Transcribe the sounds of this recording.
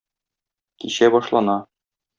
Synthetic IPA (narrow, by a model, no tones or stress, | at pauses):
kiɕæbɒʃlˠɑnɑ